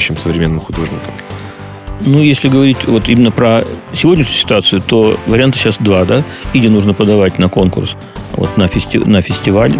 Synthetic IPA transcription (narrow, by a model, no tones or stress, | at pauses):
ɕːɪmsəvɾʲɪmʲe̞nːɨmxʊd̪o̞ʐnʲɪkəm | nujesʲlʲɪɡəvɐɾʲitʲvo̞t̪imʲɪnːəpɾəsʲɪvo̞dʲnʲɪʂnʲɲʊsʲɪ̥t̪ʊat̪sɨʊt̪o̞vəɾʲɪant̪ɨ̥ɕasd̪vad̪a | idʲɪnuʐnəpəd̪ɐvatʲnɐko̞nkʊ̰rs | vo̰t̪nəfʲɪsʲtʲɪ̰nəfʲɪsʲtʲɪvalʲ